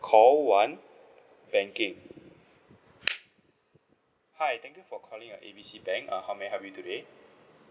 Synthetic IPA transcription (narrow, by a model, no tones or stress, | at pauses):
kʰɔlwãn | b̥ɛ̃ŋkɪ̃ŋ | hajt̪ʰɛ̃ŋkjufɔkʰɔlĩŋəʔebisibɛ̃ŋka̰hawmɛ̃ɦɛvjutude